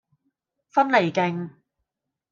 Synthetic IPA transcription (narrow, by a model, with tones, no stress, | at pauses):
fɐ˥nle˨˩jkɪ˨˧ŋ